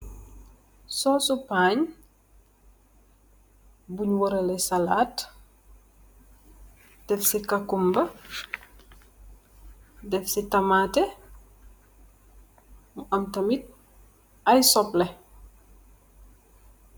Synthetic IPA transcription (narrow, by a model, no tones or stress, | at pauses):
sɔsupaːɲ | buɲwɔɾelɛsalaːt | d̥ɛfsikakumbɐ | dɛfsitɐmaːtɛ | muʔɐmtɐmit̚ | ajsɔple